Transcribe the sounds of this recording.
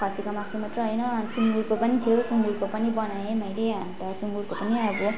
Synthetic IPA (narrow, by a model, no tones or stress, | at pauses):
kʰʌsikʌmasumat̪rʌɦʌjnʌsuŋɡuɾkopʌnit̪ʰijosuŋɡuɽkopʌnibʌnaemajɾeɦant̪ʌsuŋɡuɾkopʌniʌbʌ